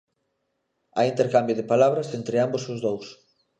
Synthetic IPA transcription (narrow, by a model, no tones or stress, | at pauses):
a̰int̪eɾkambjʊðɪpalaβ̞ɾɐsent̪ɾɪambosʊzðows